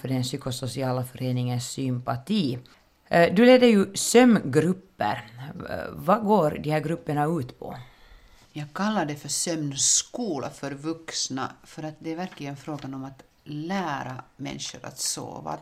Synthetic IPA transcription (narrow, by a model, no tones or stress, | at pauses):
fœɖɛnsyːkɔsɔsɪɑːlafœɾeːnɪŋənsːʏmpat̪ʰiː | d̪ɵleːd̪əɾjɵsœmːɡɾɵpːə̰ɾ | vɑɡoːɾd̪ihæːɾɡɾɵpːəɳaʉːt̪pʰɔ̰ | jɑːɡ̚kʰalːaɖɛfœsœmnskuːla̰fœɾvɵksna̰fœɾat̪̚d̪ɛːɾvæɾklɪɡənfɾoːɡanɔmat̪ | læːɾa̰mɛ̰nʂʊɾa̰t̪so̰ːva̰